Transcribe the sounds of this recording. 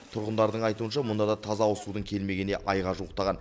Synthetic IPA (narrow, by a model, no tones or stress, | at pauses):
t̪ʰʊɾʁənd̪ɑɾd̪əɴɑjt̪uənʃɑmʊnd̪ɑd̪ɑt̪ʰɑzɑʊsud̪əɴkʲʰe̞lme̞ɡʲe̞ne̞ʔɑjʁɑʒuəqt̪ɑʁɑn